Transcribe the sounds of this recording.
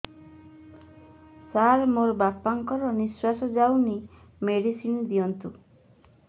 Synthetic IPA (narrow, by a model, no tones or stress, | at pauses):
saɾmoɾbapaŋkɔɾɔniswasɔd͡ʒawni | meɽisind̪ijɔnt̪u